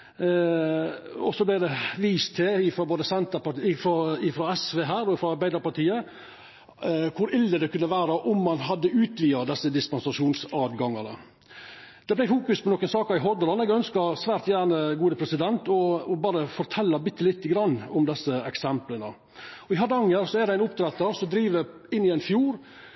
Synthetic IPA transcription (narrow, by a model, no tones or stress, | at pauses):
ɔsɔblæɪd̪ɛʋiːst̪ʰɪɪfɾɔboːd̪əsɛnt̪əɾpɑɪfɾɔɪfɾɔɛsʋeːɦæːɾɔɪfɾɔɑɾbæɪd̪ɑɾpɑʈ̪iːə | kʰʊɾɪlːəd̪ɛkʰʉnːəʋæːɾəʔʊmːɑnɦɑd̪ːəʉːt̪ʋiːɑd̪ɛsːəd̪ɪspɑnsɑʂuːnsɑːʋ̪ɡɑŋɑnə̰ | d̪̥ɛblæɪfuːkʉspʰɔnɔkːənsɑːkəɾɪɦɔd̪əɾlɑnɛɡœnskɑɾsʋæːɾt̪jæːɳəɡuːd̪əpʰɾɛsɪd̪ɛnt̪ɔɔbɑːɾəfɔɾt̪ʰɛlːɑbɪt̪ːəlɪt̪ːəɡɾɑnːɔmd̪ɛsːəɛksɛmplənə | ɔɪɦɑd̪əɑŋːəɾsɔɛd̪æɪnʊpt̪ʰɾɛt̪ːəɾsɔd̪ɾiːʋə | ɪnːɪæɪnfjuːɾ